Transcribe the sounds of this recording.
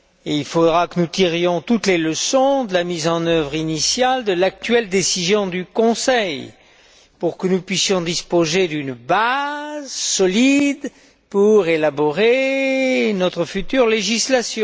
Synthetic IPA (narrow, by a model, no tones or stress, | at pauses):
eilfod̪ʁakənut̪iʁjɔ̃t̪ut̪leləsɔ̃d̪əlamizɑ̃nœvʁinisjald̪əlak̚t̪ɥɛld̪esizjɔ̃d̪ykɔ̃sɛj | puʁkənupɥisjɔ̃d̪ispozed̪ynbazsɔlid̪ | puʁelabɔʁe | nɔt̪χəfyt̪yʁleʒislasjɔ̃